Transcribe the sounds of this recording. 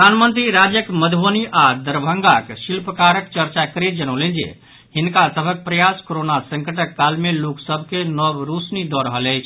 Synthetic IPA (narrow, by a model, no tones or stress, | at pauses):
pəd̪ʱanmənt̪ɾiɾad͡ʒjəkməd̪ʱʋoniʔad̪əɾbʱəŋɡakʃilpəkaɾəkt͡ʃəɾt͡ʃakəɾet̪̚d͡ʒənəwlənd͡ʒḛ | hinkasəbʱək̚pɾəjaskoɾonasə̃ŋkəʈəkːalmeloksəbʱkenɔbɾusnid̪ɔɾəɦələjt͡ʃʰ